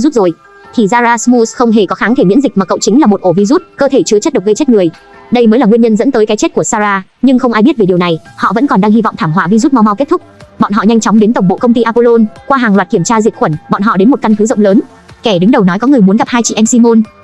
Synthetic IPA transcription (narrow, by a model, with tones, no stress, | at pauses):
zu˦˥t̚zo˨˩j | t̪ʰi˨˩zaː˧zaː˧smu˧sxə˧wŋ͡mɦe˧˩kɔ˨˦xaː˨˦ŋt̪ʰe˧˩mḭ˧˥nzi˨˩k̚maː˨˩kə̰˧˨wt͡ɕï˨˦ŋ̟laː˨˩mo˨˩t̚ʔo˧˩vi˧zu˦˥t̚kəː˧t̪ʰe˧˩t͡ɕɨ˧ət͡ɕt̚ɗə˨˩k͡p̚ɣə˧jt͡ɕe˦˥t̚ŋɨ˨˩əj | ɗə˧jməː˨˦jlaː˨˩ŋi˧əɲə˧nzə̰˧˥nt̪əː˨˦jka˨˦t͡ɕe˦˥t̚ku˧˩əsaː˧zaː˧ | ɲɨ˧ŋxə˧wŋ͡mʔa˧jɓi˦˥t̚ve˨˩ɗi˨˩wna˨˩jhɔ̰˧˨və̰˧˥nkɔ˨˩nɗaː˧ŋhi˧vɔ̰˧˨ŋ͡mt̪ʰaː˧˩mɦwa̰ː˧˨vi˧zu˦˥t̚ma˧wma˧wke˦˥t̚t̪ʊ˦˥k͡p̚ɓɔ̰˧˨nɦɔ̰˧˨ɲa˧jŋ̟t͡ɕɔ˨˦wŋ͡mɗe˨˦nt̪ə˨˩wŋ͡mɓo̰˧˨kə˧wŋ͡mt̪i˧ʔaː˧po˧lo˧nkwaː˧ɦaː˨˩ŋlaː˨˩t̚ki˧˩əmt͡ɕaː˧zi˨˩ət̚xwə˧˩nɓɔ̰˧˨nɦɔ̰˧˨ɗe˨˦nmo˨˩t̚ka˧ŋt̪ʰɨ˨˦zə̰˧˨wŋ͡mləː˨˦n | kɛ˧˩ɗɨ˨˦ŋɗə˨˩wnɔ˨˦jkɔ˨˦ŋɨ˨˩əjmu˨˦nɣa˨˩p̚haː˧jt͡ɕḭ˧˨ʔɛ˧msi˧mo˧n